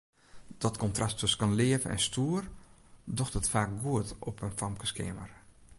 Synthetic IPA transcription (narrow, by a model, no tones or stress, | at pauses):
d̥ɔtkɔntrastʰɵsə̥kɔnlɪːəvənɛ̰nstʰuər | dɔxtətfaːk̚ɡuətɔpʰənfamkəskḛːmər